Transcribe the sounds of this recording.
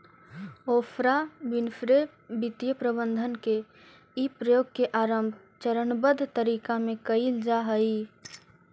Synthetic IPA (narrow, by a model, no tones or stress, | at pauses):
oːpʰɾabɪnfɾe | bɪt̪jəpɾəbənd̪ʱənke | ipɾəjoːɡ̚keʔaːɾəmbʱ | t͡ʃəɾənbəd̪ʱt̪əɾiːkamẽkəild͡ʒaɦəi